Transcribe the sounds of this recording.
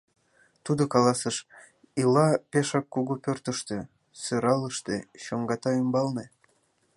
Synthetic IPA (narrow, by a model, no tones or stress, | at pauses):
t̪ud̪okɑlɑsəʃ | ilɑpeʃɑkːuɣupørt̪əʃt̪ø̆ | søɾɑləʃt̪eɕoŋɡɑt̪ɑymbɑlne